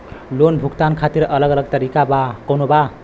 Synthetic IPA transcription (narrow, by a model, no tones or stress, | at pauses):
lonbʱukt̪ankʰat̪iɾʌlʌɡʌlʌɡ̚t̪ʌɾikabakʌnoba